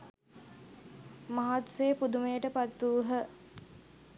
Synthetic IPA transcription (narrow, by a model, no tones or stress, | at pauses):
maɦat̪sejəpud̪umejəʈəpat̪ːuːɦə